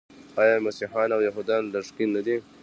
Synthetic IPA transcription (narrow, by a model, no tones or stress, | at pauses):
ɑjɑmasiħɑːnawjaɦud̪ɑnlaʂkinːad̪i